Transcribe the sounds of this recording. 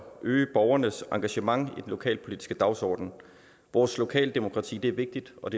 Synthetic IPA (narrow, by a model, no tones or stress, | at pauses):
ʔøːəb̥ɒʊɐnəsɑ̈ŋɡ̥æɕəmɑ̈ŋid̥enlo̝kʰɛ̰ːlpʰo̝lidisɡ̥əd̥ɑ̈ʊsɒ̰ːd̥n̩ | ʋɒːslo̝kʰɛ̰ːld̥e̝mo̝kʰʁɑ̈t͡sʰḭːd̥e̝æɐʋe̝ɡ̥̚d̥id̥ɒ̽d̥e